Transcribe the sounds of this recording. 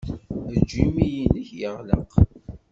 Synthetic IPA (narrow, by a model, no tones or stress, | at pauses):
d͡ʒimijinəçjəʁlə̰q